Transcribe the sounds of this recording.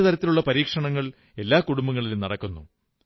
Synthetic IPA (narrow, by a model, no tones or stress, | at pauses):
ɐt̪ɐɾɐt̪ːiluɭːɐpɐɾiːkʂɐɳɐŋːɐɭ | e̞lːaːkuɽumbɐŋːɐɭilnɐɽɐkːunːṵ